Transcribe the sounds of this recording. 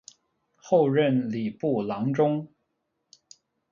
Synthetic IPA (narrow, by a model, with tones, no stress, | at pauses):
xo˥˧ʊɻə˥˩nli˨˩pu˥˩lɑ˧˥ŋʈ͡ʂʊ˥ŋ